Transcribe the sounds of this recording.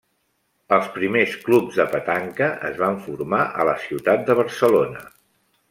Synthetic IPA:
əlˠspɾimesklubzðəpət̪aŋkəʔəzβaɱfuɾmaʔə̰ləsiwt̪at̪̚d̪əβ̞əɾsəlonə

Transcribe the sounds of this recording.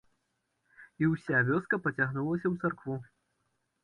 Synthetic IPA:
iwsʲavʲɔskɐpɐt͡sʲaɣnulˠɐsʲɐwt̪sarkvu

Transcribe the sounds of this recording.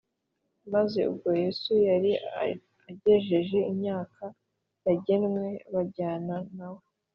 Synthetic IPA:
maze̞ṵbɡo̞je̞sujaɾi | aɟe̞ʒe̞ʒe̞imɲaːka | jaɟe̞nŋwe̞βaɟaːnanawo

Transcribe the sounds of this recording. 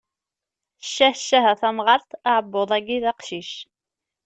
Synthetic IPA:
əʃːæhʃːæɦæθæmʁɑɾˤt̪aʕəbːoðˤæɡiðɑqʃiʃ

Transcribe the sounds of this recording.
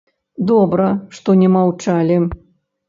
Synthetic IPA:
d̪ɔbɾɐʂt̪ɔnʲɛmawt͡ʂalʲi

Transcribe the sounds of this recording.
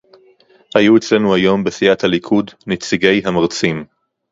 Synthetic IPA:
hajuet͡sle̞nuajo̞mbesiathalikʰudnet͡siɡe̞jɦamaʁt͡sim

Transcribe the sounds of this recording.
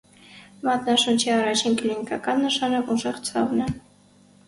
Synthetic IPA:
mɑt̪nɑʃunt͡ʃʰiɑrɑt͡ʃʰinklinikɑkɑnːəʃɑnɔvuʒɛʁt͡sʰɑ̰vnɛ

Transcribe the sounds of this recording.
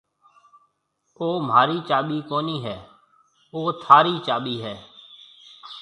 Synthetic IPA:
oːm̤aːɾiːt͡ʃaːɓiːkoːniːɦɛː | oːt̪ʰaːɾiːt͡ʃaːɓiːɦɛː

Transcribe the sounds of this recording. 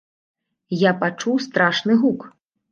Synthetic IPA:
japat͡ʂuwst̪ɾaʂnɨɦuk

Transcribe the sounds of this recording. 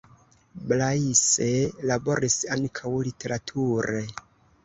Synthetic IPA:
blaiselabo̞ɾisankʰawlitʰe̞ɾatʰuɾe

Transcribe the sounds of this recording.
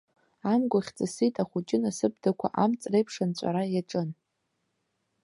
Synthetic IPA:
amɡʷaχʲt͡sʼasitʼaχʷut͡ʃʼɪnasɨb̚dakʷʰa̰ʔamt͡sʼrejpʰʂant͡ɕʷʼa̰ɾajaʈ͡ʂʼɨn

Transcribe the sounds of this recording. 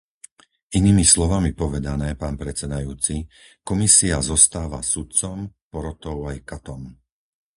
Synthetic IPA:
iniːmislɔʋamipɔʋɛd̪anɛːpaːnpɾɛt͡sɛd̪ajuːt͡sikɔmisiazɔst̪aːʋa̰sut̪̚t͡sɔmpɔɾɔt̪ɔʊajkat̪ɔm

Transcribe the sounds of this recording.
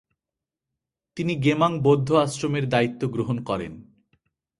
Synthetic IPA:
t̪iniɡemaŋbod̪ʱːoasɾomeɾd̪ait̪ːoɡɾoɦonkɔɾḛn

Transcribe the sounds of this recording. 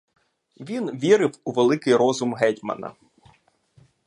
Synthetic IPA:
ʋʲinʋʲiɾɪwuʋelˠɪkɪjɾɔzʊmɦɛtʲmɐ̰nɐ̰

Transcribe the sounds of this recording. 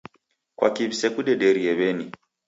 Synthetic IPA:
kwa̰kiβisɛkuɗɛɗɛɾiɛβɛni

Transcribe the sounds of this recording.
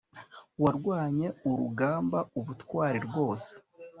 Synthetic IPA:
waɾɡwaːɲe̞uɾuɡaːmbauβutkwaːɾiɾɡo̞ːse̥

